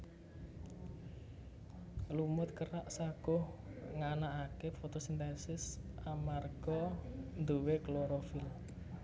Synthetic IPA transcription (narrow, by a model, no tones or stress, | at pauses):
lumʊt̪̚kəɾaʔsaɡ̥ʊhŋanaʔakefot̪osint̪esɪsamarɡ̥ɔnd̪uwekloɾofɪl